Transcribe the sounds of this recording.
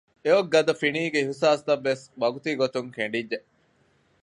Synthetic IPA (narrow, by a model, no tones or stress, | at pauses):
eoɡːɐd̪ɐfiniːɡeiɦusaːst̪ɐʋːesʋɐɡut̪iɡot̪uŋkeɳɖid͡ʒːeʔ